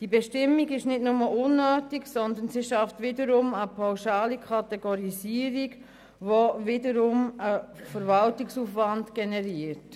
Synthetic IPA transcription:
d̥ibɛʃtɪmːiɡɪʃnɪtnʊməʔʊnːøːtiksɔnd̪ənsiʃɑftʋɪdəɾʊməpʰawʃɑːlikʰɑtɛɡɔɾisiəɾiɡ | vovɪdəɾʊməfəɾvɑltɪksuːfvɑndɡ̥ɛnɛɾiəɾt

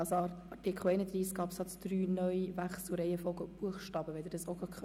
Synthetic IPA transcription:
ɑsɑɑtikʰl̩ɛɪnəd̪riːskɑpsɑtsd̥ɾyːnœivæχsl̩ɾɛɪəfɔlɡəb̥uəχʃtɑːb̥əʋɛɪd̪əɾdɑsoɡɑkʰ

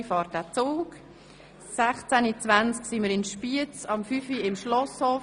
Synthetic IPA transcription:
fɑːɾt̚d̥æːt͡soːk | sæχt͡sænit͡svant͡sksiməɾɪnʃpiət͡sɑmfyfiɪmʃlɔshoː

